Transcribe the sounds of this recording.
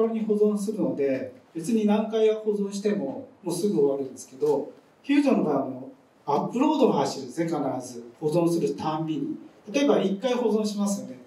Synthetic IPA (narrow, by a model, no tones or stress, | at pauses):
oɾoɲ̟iho̞zõs̬ɨɾɯ̟no̞d̪e̞be̞t͡sɨɲ̟inãŋkaiɡaho̞zõ̞ɰ̃ɕ̬i̥t̪e̞mo̞moːsɨɡɯ̟oβaɾɯ̟̃nd̪e̞sɨ̥ke̞d̪o̞ | çʲɯːd̪õnoɡano | apːɯ̟ɾo̞ːd̪omohaɕiɾɯnesnekanaɾazɨho̞zõ̞ɰ̃sɨɾɯ̟t̪ãmbʲiɲit̪at̪o̞e̞baikːaiho̞zõɕimasɨjo̞ne̞